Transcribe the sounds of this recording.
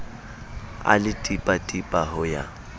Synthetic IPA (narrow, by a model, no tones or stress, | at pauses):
a̰lɪtʼipʼatʼipʼahʊja̰